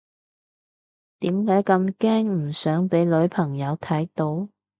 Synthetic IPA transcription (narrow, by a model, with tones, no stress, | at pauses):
t̪iː˨˥mkaː˨˥jkɐ˧mkɛː˥ŋm̩˨˩sœː˨˥ŋpe˨˥jlɵ˨˥ɥpʰɐ˨˩ŋjɐ˨˧wt̪ʰɐ˨˥jt̪o˨˥w